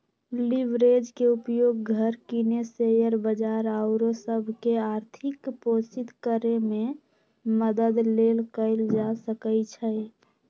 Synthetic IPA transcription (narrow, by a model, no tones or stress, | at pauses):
liʋɾed͡ʒkeupjoːɡ̚ɡʱəɾkinesejəɾbəd͡ʒaɾəʊɾosəbʱkeaɾt̪ʰɪkposit̪kəɾemẽ | məd̪əd̪lelkəɪld͡ʒasəkəjt͡ʃʰə